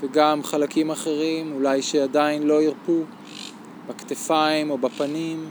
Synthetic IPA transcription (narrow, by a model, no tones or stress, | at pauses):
veɡamχalakimaχe̞ʁimulajʃead̪ainlo̞iʁpu | bakt̪efaimo̞bapanim